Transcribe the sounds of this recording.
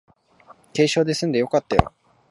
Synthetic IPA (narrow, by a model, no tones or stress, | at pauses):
ke̞ːɕo̞ːd̪e̞sɨ̃nd̪e̞jo̞kat̪ːajo̰